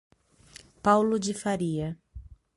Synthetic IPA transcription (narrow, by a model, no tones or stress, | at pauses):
pawlʊd͡ʒɪfaɾiɐ